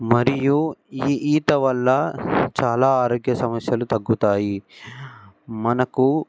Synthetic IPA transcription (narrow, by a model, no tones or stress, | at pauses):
mɐɾijuiːʔiːt̪ɐʋɐlːɐt͡ʃaːlaːaːɾoːɡjɐsɐmɐsjɐlut̪ɐɡːut̪aːji | mɐnɐku